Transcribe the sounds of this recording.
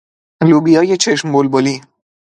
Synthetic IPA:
lubijɒːjet͡ʃʰeʃmbolboli

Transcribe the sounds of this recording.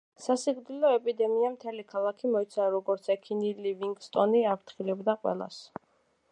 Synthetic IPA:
sasiɡɾd̪ilɔɛpʼid̪ɛmiamt̪ʰɛlikʰalˠakʰimɔit̪sʰaɾɔɡɔɾt̪sʰɛkʰiniliviŋɡst̪ʼɔniaɾt̪ʰχilɛbd̪aqʼwɛ̰lˠa̰s

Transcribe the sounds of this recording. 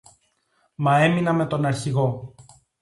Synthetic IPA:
mɐe̞minɐme̞t̪o̞nɐɾçiɣo̞

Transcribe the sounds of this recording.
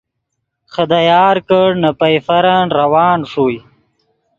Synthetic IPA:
χəd̪ajaːɾkəɽnapɐjfɐɾanɾɐwɑːnʂuj

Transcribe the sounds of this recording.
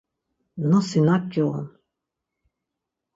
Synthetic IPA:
nɔsinakɔɔ̰n

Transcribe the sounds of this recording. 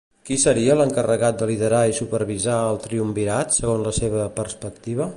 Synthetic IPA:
kisəɾiələŋkərəɣat̪̚d̪əliðəɾaisupəɾβizaəlˠt̪ɾiumbiɾat̪səɣ̞onzləseβəpərspək̚t̪iβ̞ə

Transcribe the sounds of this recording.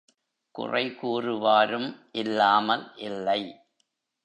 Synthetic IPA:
kʊ̰rɐ̰ɪkuːrɯʋaːɾɯmʔɪlːaːmɐlʔɪlːɐɪ

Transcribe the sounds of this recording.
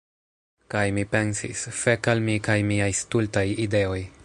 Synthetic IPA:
kajmipe̞nsḭsfe̞kalmikajmiajstultajide̞o̞j

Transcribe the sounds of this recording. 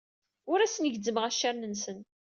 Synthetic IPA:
ʊɾæsənəʝd̪ːəməʁæʃːaɾnənsən

